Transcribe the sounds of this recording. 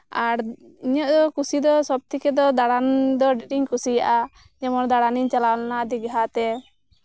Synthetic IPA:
aɾiɲɔʔd̪ɔkusid̪ɔsɔb̚t̪ikɛd̪ɔd̪aɽand̪ɔɖiʈiŋkusija̰ʔa | d͡ʒɛmɔɾd̪aɽaniɲt͡ʃalawanad̪iɡɦat̪ɛ

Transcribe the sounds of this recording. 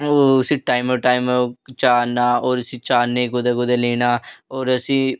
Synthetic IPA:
osĩʈaːɪmoːʈaːɪmot͡ʃaːnaːoːɾɐsĩːt͡ʃaːnːeːkod̪akod̪aleːnaːoːɾɐsĩː

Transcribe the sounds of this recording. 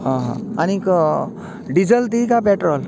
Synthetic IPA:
ɦɔ̃ɦɔ̰̃anikɔ | ɖid͡zəlt̪ikapeʈɾɔl

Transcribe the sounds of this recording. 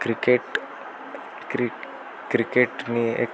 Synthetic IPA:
kɾikeʈ | kɾi | kɾikeʈniḛk

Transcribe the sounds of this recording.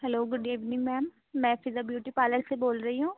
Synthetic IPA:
hɛloːɡʊɖeːʋnɪ̃ŋɡmɛːmː | ɛ̃ːpʰɪɾzəbjuːʈiːpaːləɾseboːlɾəiɦũː

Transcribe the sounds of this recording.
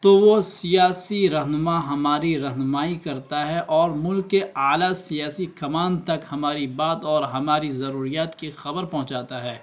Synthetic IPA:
t̪oʋosijaːsiɾɐɦnʊmaɦɐmaːɾiɾɐɦnʊmaːikɐɾt̪aɦɛʔɔːɾmʊlkːeaːlasijaːsikɐmaːnt̪ɐkhɐmaːɾibaːt̪ɔːɾɦɐmaːɾizɐɾuːɾijaːt̪kixɐbəɾpɐɦʊ̃t͡ʃaːt̪aɦɛː

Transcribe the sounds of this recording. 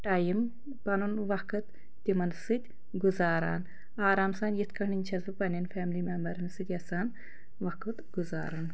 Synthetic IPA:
ʈajim | pɐnunʋɐkɨt̪ː | imɐnsɨt̪ʲ | ɡuzaːɾa̰ːn | aːɾaːmsaːnjit̪kʰɐɳinʲt͡ʃʰɐzɨpɐnʲɐnfʰɛːmlimembɐɾɨnsɨk̪ʲɐsaːn | ʋɐkɨt̪ɡuza̰ːɾun

